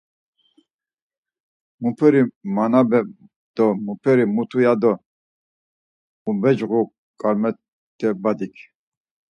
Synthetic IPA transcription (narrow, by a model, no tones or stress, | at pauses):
mupʰɛɾimanabɛ | d̪̥ɔmupʰɛɾimut̪ʰujad̪ɔ | ubɛd͡ʒɣu | kʼaɾmɛ | t̪ʰːɛbad̪ikʰ